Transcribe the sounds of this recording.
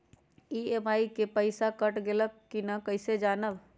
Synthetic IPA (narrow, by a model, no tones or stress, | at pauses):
iemaikepəɪsakəʈɡeləkːinəkəɪsed͡ʒanəb